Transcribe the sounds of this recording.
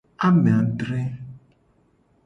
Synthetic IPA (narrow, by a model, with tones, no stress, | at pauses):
a˦mẽ˨a˨ɖɾe˦